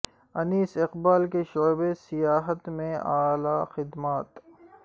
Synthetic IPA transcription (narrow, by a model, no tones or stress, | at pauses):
ɐniːsɪqbaːlkeʃoːbesɪjaːɦət̪mẽaːlaːxɪd̪maːt̪